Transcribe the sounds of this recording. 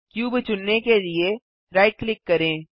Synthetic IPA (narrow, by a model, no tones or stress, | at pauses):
kjuːbt͡ʃʊnːekelie | ɾaːɪʈ̚klɪkːɐɾẽː